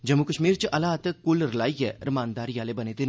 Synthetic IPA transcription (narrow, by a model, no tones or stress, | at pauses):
d͡ʒɐmːukəʃmiːɾt͡ʃəʔɐlaːt̪əkʊlɾlaːijɛɾɪmaːnd̪aːɾjaːlebɐneːt̪e